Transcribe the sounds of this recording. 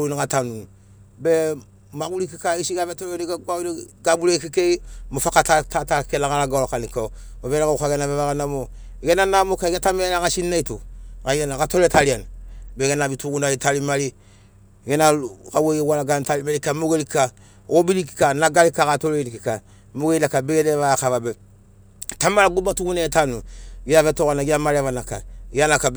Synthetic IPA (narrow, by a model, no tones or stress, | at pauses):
unikatanun | be | maɡulikikaisiɡavetoleniɡaɡainiɡabulekikeimofakatatatakelaŋalaɡalokanika | abeɾakaukaɡenabeβaɡanamo | ɡenanamokaɡetamenaɡasinːaitukaianakatoletalianbeɡenabituɡunaitalimali | ɡenakaweɡewalaɡantalimaɾikamoɡelika | obiliki̥kanaɡalikakatoledikika | moɡeinakabeɡeneβakavabe | tamalaɡubatuɡunaitanuɡijavetoɣanaɡiamaɾevanaka̰ɡanakab